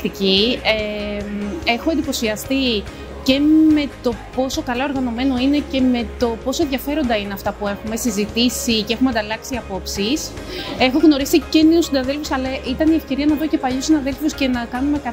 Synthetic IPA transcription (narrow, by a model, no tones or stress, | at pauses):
t̪icieme̞xo̞end̪ipo̞siɐst̪i | ce̞me̞t̪o̞po̞so̞kɐlɐo̞ɾɣɐno̞me̞no̞ine̞ce̞me̞t̪o̞po̞soenðʝɐfe̞ɾo̞nd̪ɐine̞ɐft̪ɐpue̞xume̞sizit̪isiceexumeɐnd̪ɐlɐksiɐpo̞psise̞xoɣno̞ɾisiceniusinɐðe̞lfusɐlɐʔit̪ɐnie̞fce̞ɾiɐnɐðocepɐʎusinɐðe̞lfusce̞nɐkɐnume̞kɐ